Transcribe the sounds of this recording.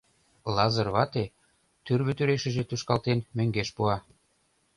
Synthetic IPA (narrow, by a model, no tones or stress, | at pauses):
lɑzɤ̆rβɑt̪e | t̪yrβøt̪yɾeʃə̆ʒĕt̪uʃkɑlt̪enmø̆ŋɡeʃpuɑ